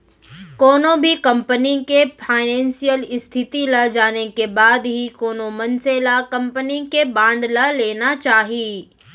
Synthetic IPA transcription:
kɔːnõbʱikɐ̃mpənikepʰaːɪnɛ̃ːnsijəlɪst̪ʰɪt̪ilad͡ʒaːnekebaːd̪ɦikɔːnõmɐnselakɐ̃mpənikebãːɳɖlaleːnat͡ʃaːɦiiː

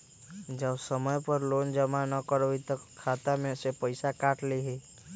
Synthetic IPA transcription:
d͡ʒəbsəməjpəɾloːnd͡ʒəmanəkəɾit̪əkʰːaːt̪amẽsepəɪsakaːʈleɦeː

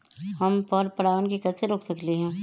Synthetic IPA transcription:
hɐmpɔɾpɐɽaːʋənkekɐt̪seɾoːksɐkliɦɛ̃ː

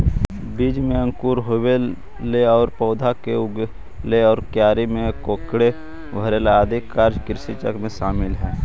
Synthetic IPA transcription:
biːd͡ʒmẽə̃ŋkuːɾɦowel | lːeɔːɾpɔːd̪ʱakeʊɡ | leɔːɾkjaːɾimẽkoːkɽe | bʱəɾeːlaad̪ʱɪkːaːɾd͡ʒkɪɾsit͡ʃəkmẽʃaːmɪlɦɛː

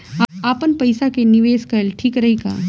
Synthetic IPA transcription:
aaːpənpɐjsakeniʋeːskɐlʈʰiːkɾɐɦika̰ː

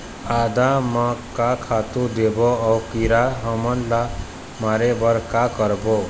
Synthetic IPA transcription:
ad̪amakakʰat̪ud̪eboʌwkiɾaɦʌmʌnla | maɾebʌɾkakʌɾbo

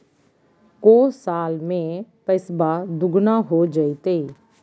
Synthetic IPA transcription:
koːsaːlmẽːpəɪsbaːd̪ʊɡnãːɦoːd͡ʒait̪eː

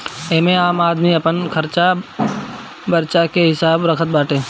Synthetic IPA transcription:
eːmẽaːmaːd̪miɐpənkʰɐɾt͡ʃa | bəɾt͡ʃakeɦɪsaːbɾɐkʰət̪̚baːʈẽː

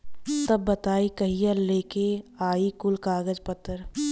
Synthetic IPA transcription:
t̪ɐbːɐt̪aːikɐɦijəɾleːkeaːikʊlkaːɡəd͡ʒpɐt̪ʰːəɾ

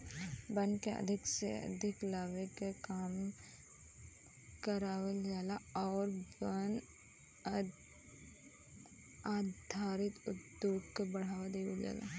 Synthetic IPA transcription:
bənkeə̰d̪ʱɪksḛə̰d̪ʱɪklaːʋekekaːm | kəɾaːʋeld͡ʒaːlaɔːɾbən | aːd̪ʱaːɾɪt̪ʊd̪joːɡkebɐɽ̤aːʋad̪eːʋeld͡ʒa̰ːla̰

